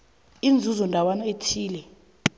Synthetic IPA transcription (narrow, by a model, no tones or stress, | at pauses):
ind͡zʱuzɔndʱawanɔetʰiːlɛ